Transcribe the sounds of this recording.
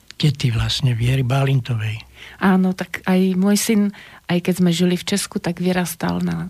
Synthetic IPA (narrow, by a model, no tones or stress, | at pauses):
cɛt̪iʋlasɲɛʋɪɛɾibalint̪ɔʋɛjʔaːnɔt̪akajmʊɔjsinʔajkɛzmɛʒilift͡ʃɛskut̪aɡʋiɾast̪a̰lna